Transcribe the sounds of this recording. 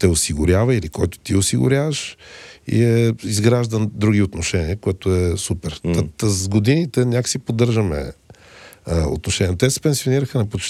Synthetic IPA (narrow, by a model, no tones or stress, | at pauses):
t̪ɛosiɡʊɾʲjavəilikɔjt̪ʊ̥t̪iʊsiɡʊ̰ɾʲjavəʃḭɛizɡɾaʒd̪əd̪ɾuɡiot̪noʃɛniəkoɛt̪ʊɛsupɛɾt̪t̪əzɡod̪init̪ɛnʲakə̥sipod̪ɤɾʒəmɛ̰ | o̰t̪noʃɛnʲiɛnt̪ɛsɛ̥pɛnsioniɾəxənɐpot͡ʃ